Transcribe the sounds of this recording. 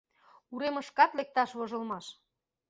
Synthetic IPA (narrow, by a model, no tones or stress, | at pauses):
uɾemə̆ʃkɑt̪lek̚t̪ɑʃβŏʒɤ̆lmɑʃ